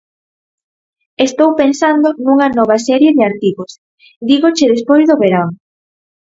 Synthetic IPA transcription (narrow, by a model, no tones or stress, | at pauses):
est̪owpensand̪ʊnuŋɐnɔβ̞ɐsɛɾjeðɪaɾt̪iɣos | d̪iɣot͡ʃeðespojzðʊβeɾaŋ